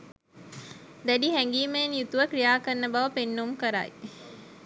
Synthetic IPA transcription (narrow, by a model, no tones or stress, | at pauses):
d̪æɖiɦɛŋɡiːmenjut̪uʋəkɾijaːkənːəbɐʋəpenːumkəɾa̰ːḭ